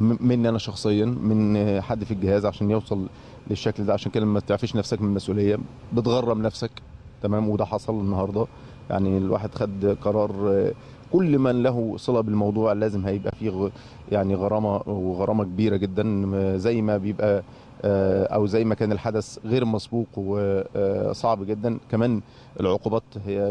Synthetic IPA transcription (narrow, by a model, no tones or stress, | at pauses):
menːʔænæʃɑxsˤejːɑmenħad̪ːfiɡehæːzʕaʃæːnjewsˤɑl | leʃːækld̪æʕaʃæːnked̪æmæt̪eʕfiːʃnæfsækmenelmæsʔulejːæ | bet̪ɣɑrˤːɑbnæfsæk | t̪æmæːmwed̪æħɑsˤɑlenːɑhɑːɾˤd̪ˤɑ | ja̰ʕnilwa̰ːħed̪xæd̪ːqɑɾˤɑːɾˤ | kolːmænlæɦusˤelæbelmɑwd̪ˤuːʕlæːzemhæjebʔæ̰fiː | jaʕniɣɑɾˤɑːmɑweɣɑɾˤɑːmɑkebiːɾæɡed̪ːænzæjːmæbejebʔæ | ʔæwzæjːmækæːnelħad̪æsɣeːɾmɑsbuːqwe | sˤɑʕbɡed̪ːænkæmæːn | ʔḛlʕoquːbæːt̪hejːæ